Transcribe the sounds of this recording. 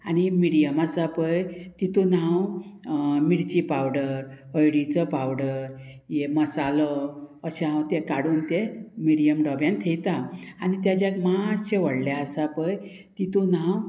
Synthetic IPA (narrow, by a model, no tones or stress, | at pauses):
añimiɽijəmasapəjt̪it̪unãw | miɽt͡ɕipawɽəɾ | əjɽit͡səpawɽəɾ | jeməsaləəɕaɦawt̪ekaɽuːnt̪emiɽijəmɖɔbjãnt̪ʰejt̪aanit̪jad͡ʑjakmat͡ɕeʋəɽljaəsapəj | t̪it̪unãw